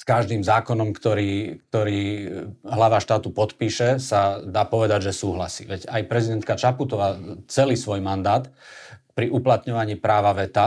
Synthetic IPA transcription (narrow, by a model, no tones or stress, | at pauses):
skaʒd̪iːmzaːkɔnɔmkt̪ɔɾiːk̚t̪ɔɾiː | ɦlaʋaʃt̪aːt̪upɔt̪piːʃɛsad̪aːpɔʋɛd̪aɟʒɛsuːɦla̰sḭːʋɛɟajpɾɛzid̪ɛnt̪kat͡ʃaput̪ɔʋaːt͡sɛliːsʋɔjmand̪aːt̪pɾiʔuplat̪ɲɔʋaɲiːpɾaːʋaʋɛt̪a